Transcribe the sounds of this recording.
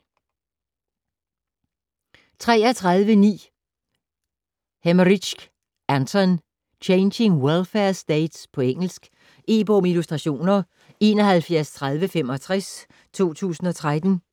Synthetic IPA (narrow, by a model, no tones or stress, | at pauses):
t͡sʰʁɛ̰ːɐt͡sʰʁɑaðˠʋənḭː | hemʁiɕɡ̥ | ʔænt͡sʰɒn | t͡ɕʰeɪnɕe̝ŋwelfeɐsd̥ɛɪd̥spʰɒ̽eŋ̰l̩sɡ̥ | e̝̰ːb̥ɔ̽milusd̥ʁɑ̈ɕo̝̰ːnɐ | e̝ːnɒ̽ɦælfjæɐst͡sʰʁäð̞ˠʋəfem̰ɒ̽t͡sʰʁas | t͡sʰo̝̰ːt͡sʰṵːsn̩ɒ̽t͡sʰʁad̥n̩